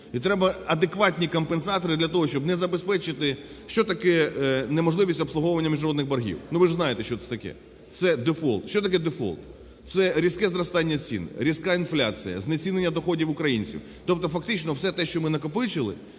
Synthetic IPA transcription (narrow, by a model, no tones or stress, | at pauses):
it̪ɾɛbɐɐd̪ekʋɑtʲnʲikɔmpensɑt̪ɔɾɨd̪lʲɐt̪ɔɦɔʃt͡ʃɔbnɛzɐbespɛt͡ʃɪt̪ɪ | ʃt͡ʃɔt̪ɐkɛnemɔʒlˠɪʋʲisʲtʲɔpslˠʊɦɔwʊʋɐnʲːɐmʲiʒnɐɾɔd̪nɪɣbɐɾɦʲḭwnuʋɪʒznɑjɪt̪ɛʃt͡ʃɔt̪sɛt̪ɐkɛ̰ | t̪sɛd̪efɔ̰lˠt̪ʃʲt͡ʃɔt̪ɐkɛd̪efɔ̰lˠt̪ | t̪sɛɾʲiskɛzɾɐst̪ɑnʲːɐt͡sʲḭnɪ̰ɾʲiskɑinflʲat͡sʲijɐ̰znet͡sʲinenʲːɐd̪ɔxɔdʲiwʊkɾɐjinʲt͡sʲḭw | t̪ɔpt̪ɔfɐkt̪ɪt͡ʃnɔwsɛt̪ɛʃt͡ʃɔmɪnɐkɔpɪt͡ʃɪlˠɪ̰